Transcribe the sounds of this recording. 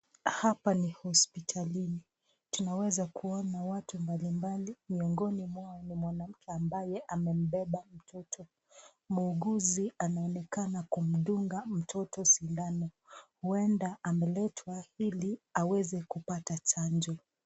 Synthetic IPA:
hapanihɔspitʰalini | tunawɛzakuɔnawatumbalimbalimiɔŋɡɔnimwaɔnimwanam̩kʰɛambajɛʔamɛm̩ɓɛɓam̩tʰɔtʰɔ | muːɡuzianaɔnɛkanakum̩ɗuŋɡam̩tʰɔtɔsindanɔ | huɛndaʔamɛlɛtʰwailiawɛzɛkupatat͡ʃand͡ʒɔ

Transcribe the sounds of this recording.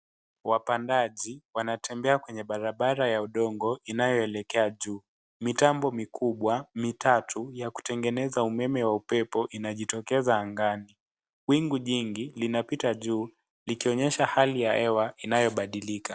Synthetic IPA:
wapandaʄiwanatɛmbɛakwɛɲɛɓaɾaɓaɾajauɗɔŋɡɔinajɔɛlɛkɛaʄuː | mitambɔmikuɓwamitatʰujaku̥tɛŋɡɛnɛzaumɛmɛwaupɛpɔʔinaʄitɔkɛzaːŋɡani | wiŋɡuʄiŋɡilinapitaʄuː | likiɔɲɛʃahalijaɛwainajɔɓaɗilika

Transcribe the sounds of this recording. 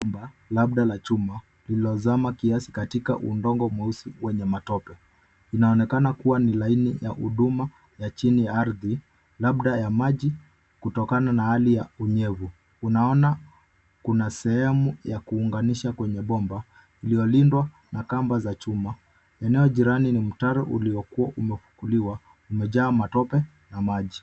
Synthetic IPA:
balaɓɗalat͡ʃuma | liɔzamakiasi̥katika̰ʔṵndɔŋɡɔmuusiwɛɲɛmatɔpɛ | inaɔnɛkanakuwanilainijahuɗuma | jat͡ʃinijaaɾði | laɓɗajamaʄi | kutɔkananahalijauɲɛvu | unaɔna | kunasɛhɛmujakuːŋɡaniʃakwɛɲɛɓɔmba | iliɔlindwa | nakambazat͡ʃuma | ɛnɛɔʄiɾaninim̩taɾɔʔṵliɔkuaʔumɛfu̥kuliwa | umɛʄaːmatɔpɛ | namaʄi

